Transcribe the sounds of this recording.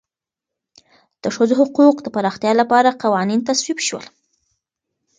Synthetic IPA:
d̪̥əʂəzhʊquqd̪əpaɾɑxt̪jɑlapɑɾaqawɑnint̪aswibʃwə̰l

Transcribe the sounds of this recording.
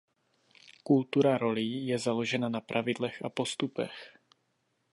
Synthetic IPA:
kult̪uɾaɾo̞lijɛzalo̞ʒɛnanapɾʔavɪdlɛxʔapo̞st̪upɛ̰x

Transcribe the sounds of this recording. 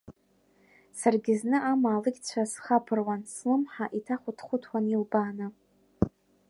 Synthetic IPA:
sarɡʲɪznɨʔamaːlɨɡʲt͡ɕʷʰasχapʰɨrwanslɨmħaʔitʰaχʷʊtʰχʷʊtʰwanilbaːnɨ

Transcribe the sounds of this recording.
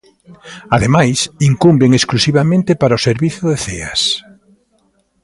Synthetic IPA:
aðemajsiŋkumbeŋesklusiβamẽnt̪ɪpaɾaoseɾβiθʊðeθḛɐ̰s

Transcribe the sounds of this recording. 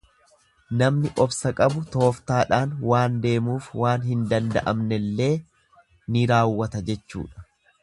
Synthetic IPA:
nɐmnɪʔɔbsɐkʼɐbʊt̪o̞ːft̪aːᶑaːnwaːnd̪e̞ːmuːfwaːnhɪnd̪ɐnd̪ɐ̰ʔɐmnɛlːe̞ː | nɪɾaːwːɐt̪ɐd͡ʒɛt͡ʃːṵːᶑɐ̥

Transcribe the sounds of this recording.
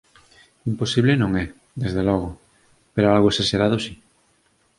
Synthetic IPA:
imposiβlenõŋɛ | ðezðelɔɣ̞ʊ | peɾoalɣʊesaseɾaðosi

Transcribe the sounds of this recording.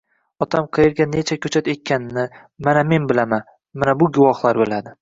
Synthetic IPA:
ɒt̪ʰamqʰɨjɪɾɡʲane̞t͡ʃʰakʲʰɵt͡ʃʰat̪e̞t̪̚ʲkʲʰːanɪnɪ | maname̞nbɪlaman | manabʊɡʊvɒχlˠaɾbɪlad̪ɪ

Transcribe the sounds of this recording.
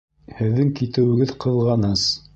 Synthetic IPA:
hɘ̆ðːɘŋkit̪ɘ̆wɘ̆ɡɘðqɤ̆ðˠʁɑnɤz̥

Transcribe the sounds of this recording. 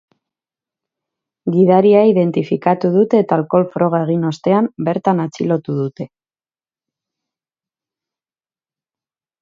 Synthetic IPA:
ɡiðaɾiaiðe̞nt̪ifikat̪uð̞ut̪e̞ːt̪aːlko̞lfɾo̞ɣ̞ae̞ɣ̞ino̞st̪e̞ambe̞ɾt̪anat͡silo̞t̪uð̞ut̪e̞

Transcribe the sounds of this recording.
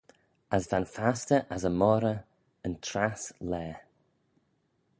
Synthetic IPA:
əzvanfastəʔəzəmɔɾə | əntʰɾaslɛː

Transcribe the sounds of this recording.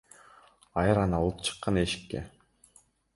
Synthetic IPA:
ɑjɯɾɑnɑlˠɯp̚t͡ʃʰɯ̥qːɑneʃi̥kːḛ

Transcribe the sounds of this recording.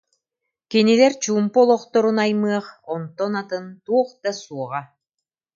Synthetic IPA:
kinilɛɾt͡ɕuːmpɔlˠɔχt̪ɔɾunajmɯɐχɔnt̪ːɔnat̪ɯnt̪uɔχd̪asuɔʁa

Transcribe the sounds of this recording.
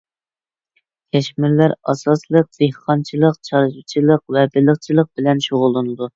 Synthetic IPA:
kʲʰɛʃmɪɾlæɾɑ̰sɑslˠəq̚d̪̥ehqɑnt͡ʃʰilˠəqt͡ʃʰɑɾʒut͡ʃʰilˠəq̚vɛbɪləχt͡ʃʰilˠəq̚bɪlɛnʃoʁʊlˠːɨnɨd̪u

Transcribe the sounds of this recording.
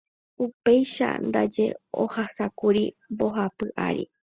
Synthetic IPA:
upe̞jʃa̰nd̪a̰d͡ʒe̞̰o̰hasakuɾimboɦapɨʔa̰ɾḭ

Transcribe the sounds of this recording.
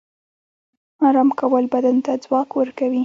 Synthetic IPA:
ɑɾɑmkawəlbad̪ant̪ad͡zwɑkwəɾkawi

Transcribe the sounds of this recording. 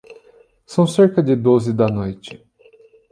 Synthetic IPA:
sɐ̃w̃seɾkɐd͡ʒɪd̪ozɪd̪ɐnojt͡ʃɪ̥

